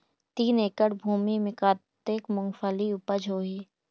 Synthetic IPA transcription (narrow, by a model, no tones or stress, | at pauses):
t̪iːneːkəɽbʱuːmimɪ̃kaːt̪eːkmʊŋɡfʰaliʊpəd͡ʒʱoːɦiː